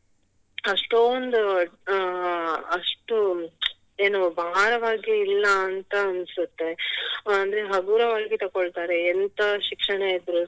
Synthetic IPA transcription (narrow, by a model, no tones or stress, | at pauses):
ɐʂʈoːnd̪u | ɐʂʈu | eːnubʱaːɾɐʋaːɡiːlːɐːnt̪ɐːnsut̪ːe̞ɐnd̪ɐɾe̞ɦɐɡuːɾɐʋɐɭɡit̪ɐkoɭt̪aːɾeːnt̪ɐʃikʂɐɳɐid̪ɾu